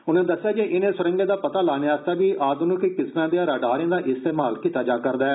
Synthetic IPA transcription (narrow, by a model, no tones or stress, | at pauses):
ʊnẽːd̪əsːɪjaːkeʔɪnẽːsʊɾə̃ŋɡeːd̪aːpət̪aːlaːnjaaːst̪aːbiːʔaːd̪nũkɪkɪsnãːd̪ijãːɾaːɖaːɾɪjãːd̪aːʔɪst̪eːmaːlkiːt̪aːd͡ʒaːkəɾd̪aːɛː